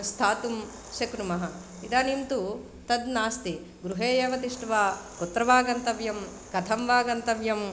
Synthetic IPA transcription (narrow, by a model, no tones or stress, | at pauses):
st̪ʰaːt̪um | ʃɐkɾumɐɦɐ̆ | id̪aːnimt̪u | t̪ɐd̪naːst̪i | ɡɾuɦeːjeːʋɐt̪iʂʈɐʋaːput̪ːɾɐʋaːɡɐnt̪ɐʋjɐm | kɐt̪ʰɐmʋaːɡɐnt̪ɐʋjɐm